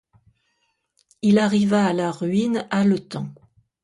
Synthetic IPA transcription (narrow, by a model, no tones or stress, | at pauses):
ilaʁivaːlaʁɥinalət̪ɑ̰̃